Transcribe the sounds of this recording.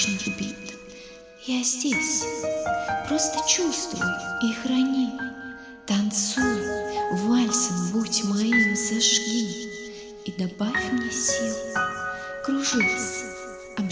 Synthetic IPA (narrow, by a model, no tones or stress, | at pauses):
ʐnɨxbʲit̪ | jazʲdʲesʲ | pɾost̪ət͡ɕust̪vʊ̰jixɾɐnʲi | t̪ɐnt̪sujvalʲsəmbutʲmɐjimzɐʂlʲi | id̪abavʲfmnʲɛsʲilˠ | kɾʊʐɨsʲ | ɐb